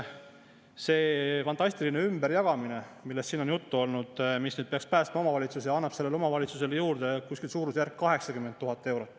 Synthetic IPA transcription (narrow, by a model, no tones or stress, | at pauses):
se̞ːfɑnt̪ˑɑsʲt̪iline̞ymb̥eɾjɑɡ̥ɑminemilːe̞st̪ːiːno̞njut̪ːuo̞lnud̪̥misnyːd̪̥̚pe̞ɑkspæːst̪mɑo̞mɑvɑlʲit̪susejɑɑnːɑb̥se̞lːe̞lo̞mɑvɑlʲit̪sus̬e̞ljuːɾd̪̥e̞kusʲkilsuːɾusjæɾkkɑɦe̞ksɑkymːent̪ːuɦɑt̪ːˑe̞wɾo̞t̪ːˑ